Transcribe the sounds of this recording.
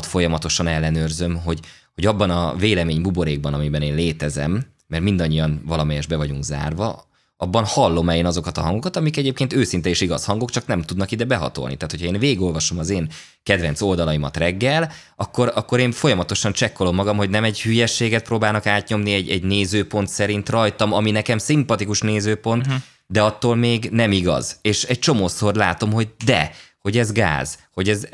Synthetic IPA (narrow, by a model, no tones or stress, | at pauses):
t̪fo̞jɒmɒt̪o̞ʃɒnɛlːɛnørzø̞mɦo̞ɟho̞ɟɒbːɒnɒveːlɛmeːɲbubo̞ɾeːɡ̚bɒnɒmibɛneːnleːt̪ɛzɛ̰mː | ɛrtmind̪ɒɲːijɒnvɒlɒmɛjɛʒbɛvɒɟuŋɡza̰ːrvɒ̰ | ɒbːɒnhɒlːo̞mɛlenɒzo̞kɒt̪ɒɦɒŋɡo̞kɒt̪ɒmikɛɟeːp̚keːnt̪øːsint̪ɛeːʃiɡɒshɒŋɡo̞kt͡ʃɒknɛmt̪ud̪nɒkid̪ɛbɛɦɒ̰t̪o̰lnḭt̪aːt̪ho̞cʰhɒeːnveːɡo̞lvɒʃo̞mɒzeːn | kɛd̪vɛn̪t̪so̞ld̪ɒlɒimɒ̰t̪rɛɡːɛl | ɒkːo̞ɾɒkːo̞ɾeːnfo̞jɒmɒt̪o̞ʃɒnt͡ʃɛkːo̞lo̞mːɒɡɒmɦo̞ɟnɛmɛɟhyjɛʃːeːɡɛt̪proːbaːlnɒkaːt̪ɲo̞mniɛɟɛɟneːzøːpo̞nt̪sɛɾint̪rɒjt̪ɒmɒminɛkɛmsimpɒt̪ikuʃneːzøːpo̞nt̪ | d̪ɛɒt̪ːoːlmeːɡnɛmiɡɒ̰z̥eːʃɛc̚t͡ʃo̞moːso̞rlaːt̪o̞mɦo̞ɟ̚d̪ɛ̰ho̞ɟɛzɡa̰ːz̥ho̞ɟɛz